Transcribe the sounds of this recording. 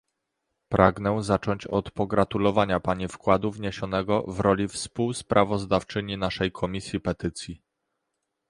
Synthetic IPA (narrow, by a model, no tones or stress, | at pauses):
pɾʔaɡnɛzat͡ʂɔɲt͡ɕɔt̪pɔɡɾat̪ulɔvaɲapaɲifkwad̪uvɲeɕɔn̪ɛɡɔvɾɔlʲifspuwspɾʔavɔzd̪aft͡ʂɘɲinaʂɛjkʰɔmʲisʲjipɛt̪ɘt̪sʲji